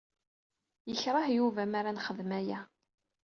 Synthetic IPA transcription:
jəçɾˤɑhjuvæmaɾanχəðmæjæ

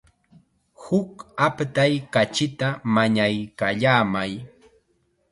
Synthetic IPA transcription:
hʊkapt̪ajkat͡ʃɪt̪amaɲajkaʎaːmaj

